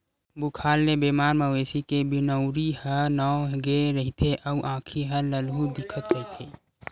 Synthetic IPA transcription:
bukʰaːlnebemaːɾməʋeːsikebɪnəʊɾihənɔwɡeɾəɦit̪ʰeʔəuʔãːkʰiɦələlɦud̪ɪkʰət̪ɾəɦit̪ʰeː

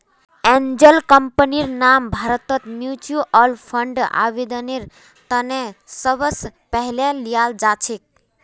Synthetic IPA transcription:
ẽnd͡ʒəlkəmpəniɾnambʱaɾət̪ət̪mjut͡ʃuʔɔlpʰəɳɖa̰ʋed̪əneɾ | t̪ənesəbəspəɦlelijald͡ʒat͡ʃʰek̚

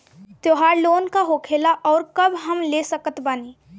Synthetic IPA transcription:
t̪oːɦaːɾloːnkaɦoːkʰeːlaʔɔːɾkɐbɦɐmleːsəkət̪baːniː

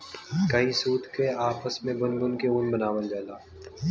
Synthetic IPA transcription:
kɐɦĩsuːt̪keaːpəsmẽbʊnbʊnkeʊnbɐnaːʋəlɡɛːlaː

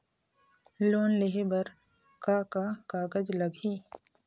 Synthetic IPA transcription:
loːnleɦebɐɾ | kakakaːɡəd͡ʒlɐɡiː

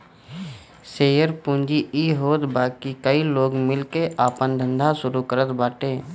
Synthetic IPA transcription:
seːjəɾpũːnd͡ʒiiːɦoːt̪baːkikəiloːɡmɪlkeaːpənd̪ʱə̃nd̪ʱasʊɾukəɾət̪baːʈeː

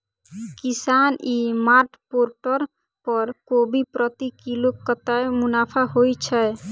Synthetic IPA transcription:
kisanimaɾʈpoɾʈɔɾ | pɔɾkobipɾɔt̪ikilokːɔt̪aemunapʰaɦojt͡ʃʰɛj

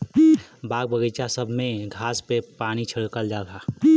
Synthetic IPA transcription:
baːɡ̚bəɡət͡ʃasəbʱmẽɡʱaːspepaːnit͡ʃʰəɽkəld͡ʒaːɡaː

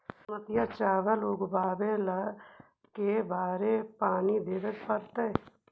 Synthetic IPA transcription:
mət̪jat͡ʃaːʋəlʊɡbaːbẽlɐ | kebaːɾepaːnid̪eːʋət̪pəɾt̪e

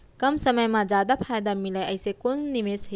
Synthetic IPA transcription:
kɐmsɐməjmãd͡ʒad̪apʰajd̪amiləjɐjsekunnimesɦe

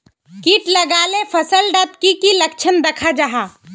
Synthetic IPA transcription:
kiːʈlɐɡaːlepʰɐsəlɖət̪kikilɐk̚t͡ʃʰənd̪ɐkʰad͡ʒaɦaː

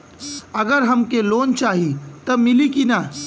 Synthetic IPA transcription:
ɐɡəɾɦɐmkeloːnt͡ʃaːɦit̪ɐmɪlikina

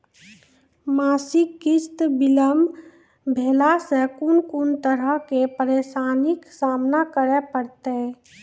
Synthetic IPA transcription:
maːsɪkːɪst̪bɪləm | bʱeːlasekunkunt̪əɾəkepəɾeːʃaːnɪksaːmnakəɾepəɾt̪e

